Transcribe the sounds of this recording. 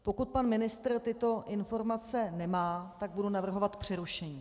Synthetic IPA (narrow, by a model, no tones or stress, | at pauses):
po̞kut̪̚panmɪnɪst̪r̩t̪ɪt̪o̞ʔɪnfo̞ɾmat͡sɛnɛmaːt̪aɡ̚budunavr̩ɦo̞vat̪pr̝̥ɛɾuʃɛɲiː